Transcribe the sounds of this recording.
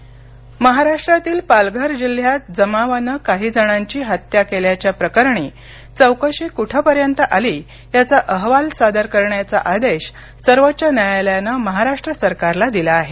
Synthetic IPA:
məɦaɾaʂʈɾat̪iːlpalɡʱəɾd͡ʑil̤jat̪̚d͡zəmaʋanəkaɦiːd͡zəɽ̃aɲt͡ɕiːɦət̪jakeljat͡ɕjapɾəkəɾɳiː | t͡səwkəɕikuʈʰəpəɾjənt̪əʔaliː | jat͡saʔəɦʋalsad̪əɾkəɾɳjat͡sa̰ʔad̪eɕ | səɾʋət̪̚ːt͡ɕənjajaljanəməɦaɾaʂʈɾəsəɾkaɾlad̪ilaːɦe

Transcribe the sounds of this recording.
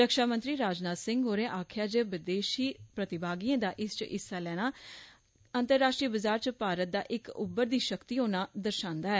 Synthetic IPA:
ɾəkʃaːmə̃nt̪ɾiːɾaːd͡ʒnaːsɪ̃ŋɡɦoːɾẽːʔaːkʰjaːd͡ʒeːʋɪd̪eːʃiːpɾət̪ɪbaːɡiːẽːd̪aːʔɪst͡ʃʔɪ̰sːaːlɛːɽ̃aː | ənt̪əɾːaːʃʈɾiːbəzaːɾt͡ʃpaːɾət̪̚d̪a̰ːʔɪkʊ̰bːəɾd̪iːʃəkt̪iːɦoːnaːd̪əɾʃãːnd̪aːɦɛː

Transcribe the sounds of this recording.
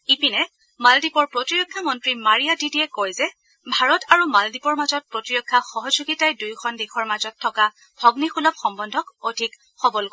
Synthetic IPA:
ipinɛ | maldipɔɹpɹotiɹɔkʰːamɔntɹimaɹijadidiɛkojzɛ | bʱaɹɔtaɹumaldipɔɹmazɔt̚pɹotiɹɔkʰːaxɔɦɔzuɡitajdujkʰɔndikʰɔɹmazɔtʰːɔka | b̥ʱɔɡnixulɔp̚xɔmbɔndʱɔkodʱik | xɔbɔlɡ

